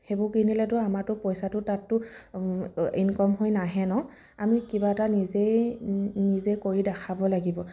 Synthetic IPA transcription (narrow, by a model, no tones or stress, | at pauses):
hebʊkinilɛtʊamaɹtʊpɔjsatʊtatːʊ | inkɔmɦojnaɦɛnɔ | amikibatanizej | nizejkoɹidakʰabɔlaɡibɔ